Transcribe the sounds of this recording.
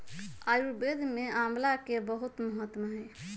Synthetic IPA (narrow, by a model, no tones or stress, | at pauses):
ajuɾbed̪ʱmeamlakebəɦut̪məɦət̪məɦɛj